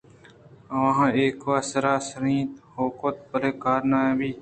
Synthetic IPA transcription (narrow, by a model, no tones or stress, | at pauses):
ʋãːɦeːkʋaːsəɾaːsəɾĩːt̪hoːkoːt̪̚pəɾeːkaːɾnaːjãːbʱiː